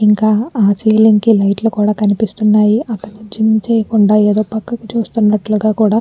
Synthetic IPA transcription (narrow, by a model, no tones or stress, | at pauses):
iŋkaːaːt͡ʃiːliŋkilɐjʈlukuːɽaːkɐnipist̪unːaːjiʔɐt̪ːɐnud͡ʒinːit͡ʃɛːjɐkuɳɖaːeːd̪oːpɐkːɐkɐt͡ʃuːst̪unːɐʈluɡaːkuːɽaː